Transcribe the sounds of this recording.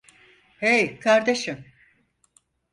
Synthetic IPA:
hejkʰaɾd̪eʃɯm

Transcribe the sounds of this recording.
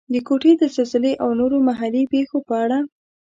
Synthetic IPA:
d̪əkoʈed̪əzelzɪleʔawnoɾomaɦalipexopəaɽa

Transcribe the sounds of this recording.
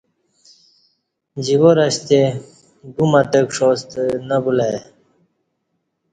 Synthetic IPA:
d͡ʑiwoɾɐɕt̪e | ɡumaʈəkʂost̪nabula

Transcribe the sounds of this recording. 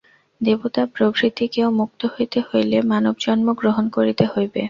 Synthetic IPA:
d̪ebot̪apɾobɾit̪ikeomuk̚t̪oɦojt̪ehojlemanobd͡ʑɔnmoɡɾoɦonkoɾit̪ehojbḛ

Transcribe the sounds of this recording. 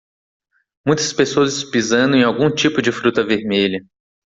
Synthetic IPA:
mũj̃t̪ɐ̥spesoɐzɪspizɐ̃nd̪ʊẽawɡũt͡ʃipʊd͡ʒɪfɾut̪ɐveɾmeʎɐ

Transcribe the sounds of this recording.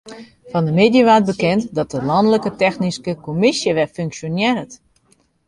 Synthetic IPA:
fɔndəmeːdjəʋat̚bəkɛntdɔt̚əlɔndələkətɛxniskəkomɪsjəʋɛfyŋksjonjɛrət

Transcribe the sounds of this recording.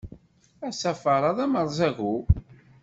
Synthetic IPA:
æsæfəɾˤɑðˤæməɾˤzæɣu

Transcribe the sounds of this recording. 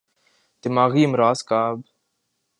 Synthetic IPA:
t̪ɪmaːɣiːmɾaːskaːb

